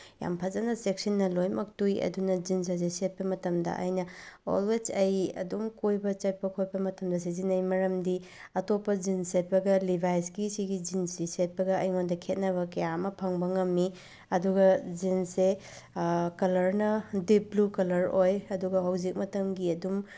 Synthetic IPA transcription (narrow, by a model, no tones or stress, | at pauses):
ja̰mpʰɐzɐnɐsek̚sinːɐlojmɐk̚tujɐ̰dunɐd͡ʒins̬azeset̚pɐmɐtɐmdɐ̰ʔɐ̰jnɐo̰lwed͡ʒɐjɐ̰dumkojbɐt͡ʃɐt̚pɐkʰoj̚pɐmɐtɐmdɐs̬izinɐjmɐɾɐmdi | ɐtopːɐd͡ʒinset̚pɐɡɐlibʱajsɡisiɡid͡ʒinsiset̚pɐɡɐɐjŋondɐkʰet̚nɐβɐkɐjamɐpʰɐŋbɐŋɐmːi | ɐduɡɐzinse | kɐlɐɾnɐdip̚blukɐlɐɾojɐduɡɐɦɐwzik̚mɐtɐmɡiɐdum